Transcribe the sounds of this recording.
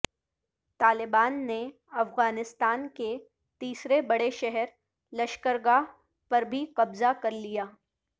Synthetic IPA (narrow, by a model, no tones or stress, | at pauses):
t̪aːlɪbaːnːe | ɐfɣaːnɪst̪aːnke | t̪iːsɾebɐɽeʃɛɦɛɾ | lɐʃkəɾɡa | pɐɾbʱiqɐbzakɐɾlijaː